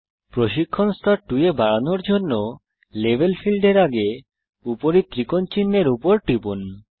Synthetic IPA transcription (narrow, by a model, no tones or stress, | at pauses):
pɾoʃikʰːonst̪ʰaʈujebaɽanoɾd͡ʑonːo | lebʱelfʰilɖeɾaɡe | upoɾit̪ɾikont͡ɕinːeɾupoɾʈipun